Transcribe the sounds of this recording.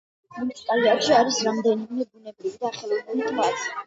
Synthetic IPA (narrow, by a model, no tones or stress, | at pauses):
munit̪sʰipʼaliatʃiaɾisɾamd̪ɛnimɛbunɛbɾivid̪aaχɛlinɛnit̪ʰat̪sʰi